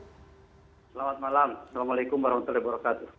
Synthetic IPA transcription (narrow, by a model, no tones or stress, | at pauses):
səlamat̪̚malamsalamalekʊmbaɾamat̪ulebaɾakat̪u